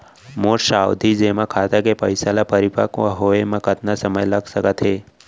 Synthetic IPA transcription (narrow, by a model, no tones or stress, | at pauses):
moɾʃaːwd̪ʱid͡ʒemãkʰat̪akepəjsalapəɾipa̰kʋa̰ɦoemãkət̪nasəməjləɡsəkət̪ɦe